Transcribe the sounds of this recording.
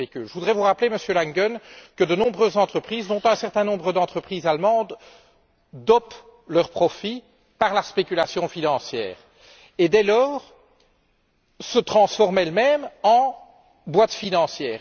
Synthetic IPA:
ekʲylʒəvud̪ʁɛvuʁapleməsjølaŋɡɔnkəd̪ənɔ̃bʁøzːɑ̃t̪χəpχiːzd̪ɔ̃t̪ɛ̃sɛʁt̪ɛ̃nɔ̃bʁəd̪ɑ̃t̪χəpχizalmɑ̃d̪ | d̪ɔp | lœʁpχɔfi | paʁlaspekʲylasjɔ̃finɑ̃sjɛ̰ːʁ | ed̪ɛlɔːʁ | sət̪χɑ̃sfɔʁmɛlmɛmɑ̃ | bwat̪finɑ̃sjɛːʁ

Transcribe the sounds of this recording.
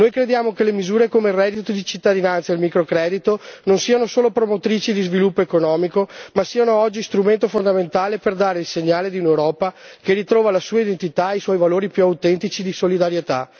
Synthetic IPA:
noːjkɾed̪jaːmokelemizuːɾekomerɛd̪it̪od̪it͡ʃit̪ːad̪inant̪sailmikɾokɾɛːd̪it̪ononsiːanosoːlopɾomot̪ɾiːt͡ʃid̪izvilupːoekonɔːmikomasiːanoɔd͡ʒːist̪ɾument̪ofond̪ament̪aːleperd̪aːɾeilseɲːaːled̪iunewɾɔːpakerit̪ɾɔːvalasuːaid̪ent̪it̪aijswɔjvaloːɾipjuawt̪ɛnt̪it͡ʃid̪isolid̪aɾjet̪a

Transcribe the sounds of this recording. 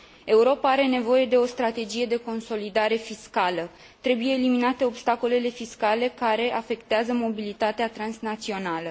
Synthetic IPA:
e̞uɾo̞paaɾe̞ne̞vo̞je̞d̪e̞o̞st̪ɾat̪e̞d͡ʒije̞d̪e̞ko̞nso̞lid̪aɾe̞fiskalə | t̪ɾe̞buje̞ːliminat̪e̞o̞bst̪ako̞le̞le̞fiskale̞kaɾe̞ʔafe̞kt̪eazəmo̞bilit̪at̪eat̪ɾansnat̪sio̞nalə

